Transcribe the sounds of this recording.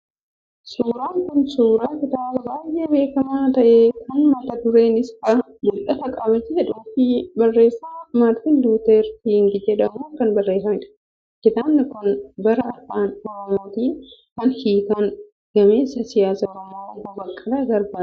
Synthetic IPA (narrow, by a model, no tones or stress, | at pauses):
suːɾaːŋkʊnsuːɾaːkɪt̪aːbɐbaːjʔeːbe̞ːkɐmaːt̪ɐʔeːkʰɐnmɐt̪ɐd̪ʊɾe̞ːnɪskɐ | bʊlɐt̪ɐkʼɐbɐd͡ʒɛhɛᶑʊːfibɐrːe̞ːsːamaːɾt̪ɪnd̪uːt̪eːɾt̪iŋɡɪd͡ʒɛᶑɐmuːkɐnbɐrːe̞ːsɐnɪᶑɐ̥ | kɪt̪aːnːɐkʊnbɐɾɐɐfaːnɔɾɔmot̪iː | kɐnhiːkan | ɡ̥ɐmeːsɐsɪjaːsɐɔɾɐmokɐbɐkʼːɐd̪aːɡɐɾbaː